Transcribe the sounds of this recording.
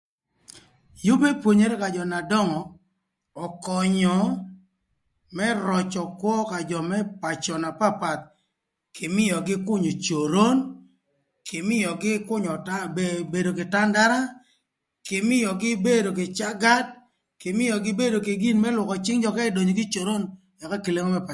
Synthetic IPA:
jo˦be˦pwo˨ɲe˨ɾe˦ka˨d͡ʒɔ˨na˨dɔ˦ŋɔ˨ | ɔ˨kɔ˨ɲɔ˨ | mɛ˦ɾɔ˨t͡ʃɔ˨kwɔ˦ka˨d͡ʒɔ˨mɛ˦pa˨t͡ʃɔ˨na˨pa˦pa˨t̪̚ | kʰɪ˨mɪ˦jɔ˨ɡɪ˦kʊ˦ɲo˨t͡ʃo˨ɾo˦n | kʰɪ˨mɪ˦jɔ˨ɡɪ˦kʊ˦ɲɔ˨ta˦bebe˨do˨kɪ˨ta˦nda˦ɾa˦ | kɪ˨mɪ˦jɔ˨ɡɪ˦be˦do˨kɪ˨t͡ʃa˦ɡa˦d̚ | kɪ˨mɪ˦jɔ˨ɡɪ˦be˦do˨ke˨ɡi˦nmɛ˦lwʊ˨kɔ˨t͡ʃɪ˦ŋd͡ʒɔ˨ka˦ɪ˦do˨ɲo˨ɡɪ˦t͡ʃo˨ɾo˦n | ja˨ka˦ki˨le˦ŋɔ˦mɛ˦pa˨

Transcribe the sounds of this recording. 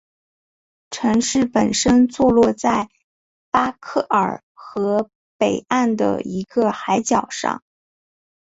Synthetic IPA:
ʈ͡ʂʰɤ˧˥ŋʂɻ̩˥˩pə˨˩nʂə˥nt͡swɔ˥˧lwɔ˥˧t͡sa˥˩ɪ | pa˥kʰɤ˥˩ʔə̰˞˨˩ | xɤ˧˥ | pe˨˩ɪʔa˥˩nd̪ə̰˩i˧˥ɡə˧xa˧˥ɪt͡ɕjɑ˨˩ʊʂɑ̰˥˩ŋ

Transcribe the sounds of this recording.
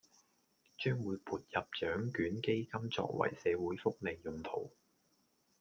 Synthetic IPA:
t͡ʃœː˥ŋwuː˨˧jpʰuː˨t̚jɐ˨p̚t͡ʃœː˨˥ŋkyː˨˥nke˥jkɐ˥mt͡sɔ̰ː˧k̚wɐ̰˨˩jsɛː˨˧wuː˨˥jfʊ˥k̚le˨˧jːʊ˨ŋt̪ʰo˨˩w

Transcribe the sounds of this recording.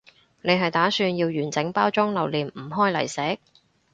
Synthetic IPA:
ne˨˧jɦɐ˨jt̪aː˨˥syː˧njiː˧wjyː˨˩nt͡sɪ˨˥ŋpaː˥wt͡sʊ˥ŋlɐ˨˩wliː˨nm̩ː˨˩ɦɔː˥jlɐ̰˨˩jsɛː˨˥k̚

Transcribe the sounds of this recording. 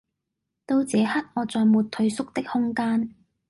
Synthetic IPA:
t̪o˥wt͡sɛː˨˧hɐ˥t̚ŋɔː˨˧t͡sɔː˨jmuː˨t̚t̪ʰɵ˨˧ɥsʊ˥k̚t̪ɪ˥k̚hʊ˥ŋkaː˥n

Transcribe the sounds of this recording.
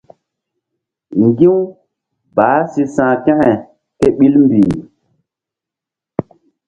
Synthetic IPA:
ŋɡi˦w | baː˨˦si˨sã˨kɛ̃˦hɛ˨ | ke˦ɓi˦lmbi˨

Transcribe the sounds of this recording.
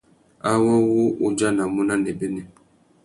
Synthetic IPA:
a˦wɔ˦wu˦ʔu˦d͡ʒa˦na˨mu˦na˦ne˨be˦ne˨

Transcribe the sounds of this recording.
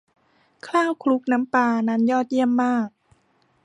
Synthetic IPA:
kʰlaː˥˩wkʰlu˦˥k̚na˦˥mpaː˧na˦˥njɔː˥˩t̪̚ji˥˩əmːaː˥˩k̚

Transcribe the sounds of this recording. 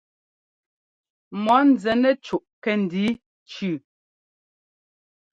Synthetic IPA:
mɔ˨˦n̩˨d͡zɛ˨nɛ˦t͡ʃu˨ʔkɛ˦n̩˨di˦ | t͡ʃʉ˦˨

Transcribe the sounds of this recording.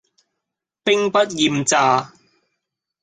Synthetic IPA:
pɪ˥ŋpɐ˥t̚jiː˨mt͡saː˧

